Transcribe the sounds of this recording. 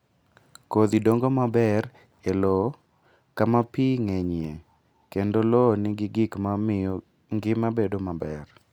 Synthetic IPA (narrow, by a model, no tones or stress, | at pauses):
kod̪idoŋɡomabɛr | elo | kamapiŋeɲe | kendolonɪɡɪɡɪkmamɪjɔ | ŋɡɪmabedomabɛr